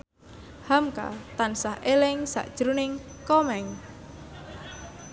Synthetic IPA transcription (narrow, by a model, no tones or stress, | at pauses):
hamka̰t̪ansahʔelɪŋsa̰ʔd̥ʒ̥ɾunɪŋ | kɔmɛŋ